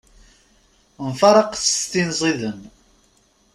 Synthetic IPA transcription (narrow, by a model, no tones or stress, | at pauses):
nfɑɾˤɑqθə̥st̪inzˤiðən